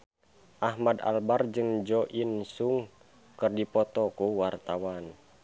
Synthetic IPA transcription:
ʔahmada̰lbard͡ʒɨŋd͡ʒɔʔinsuŋ | kɨrdipɔt̪ɔkuwart̪awan

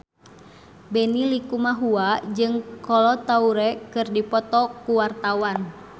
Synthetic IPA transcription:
bɛnilikumaɦuad͡ʒɨŋkɔlɔt̪auɾɛkɨrdipɔt̪ɔkuwart̪awan

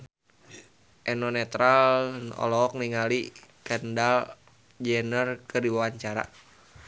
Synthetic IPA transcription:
ʔɛnɔnɛt̪ɾalɔ̰lɔɔk̚niŋalikəndal | d͡ʒɛnərkərdiwawaɲt͡ʃaɾa̰

